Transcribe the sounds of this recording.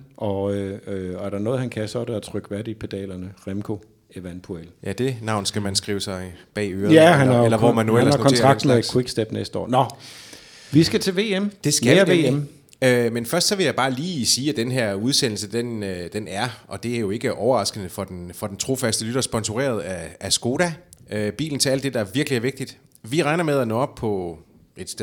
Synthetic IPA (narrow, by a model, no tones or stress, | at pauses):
ʔɒ̽øɒæɐɾ̥ɑ̈nɔːð̩ˠhænkʰæsɒ̽ɾ̥eæt͡sʰʁœɡ̥ʋæɐɾ̥ipʰe̝d̥ɛ̰ːlɐnəʁemkʰo̝ | eʋænpʰueljʔæd̥e̝nɑ̈ʊ̰nsɡ̥æmænsɡ̥ʁḭːʊəsɑ̈ɪb̥ɛ̰ːøːɐðæhænɑelɐʋɒmænːuel̰ssɑ̈kʰɒnet͡sːʁɑ̈ɡsmekʰeɡ̥sd̥eb̥nesd̥əɒ̰ːnɒ | ʋisɡ̥æt͡sʰe̝lʋe̝̰ːemd̥e̝sɡ̥æɐe̝ːem | ømenfɶɐsd̥sɒ̽ʋe̝jɑ̈ɪb̥ɑ̈ːliːsiːæd̥enɦeɐ̰uð̞ˠsen̰l̩səd̥enød̥enæɐʔɒ̽d̥e̝æɐjo̝e̝ɡ̥əʔɒʊɐʁɑ̈sɡ̥ənəfɒ̽d̥enfɒ̽d̥ent͡sʰʁo̝fæsd̥əlyɾ̥ɐsb̥ɒ̽nsuʁḛːɐð̞̩ˠææsɡ̥o̝ːɾæøb̥ḭːln̩t͡sʰe̝æl̰d̥e̝d̥ɑæɐʋiɐɡ̥liæɐʋe̝ɡ̥d̥id̥ | ʋiʁɑ̈ɪnɐmeð̞ˠænɔ̰ːɒ̽b̥̚pʰɒ̽ | ed̥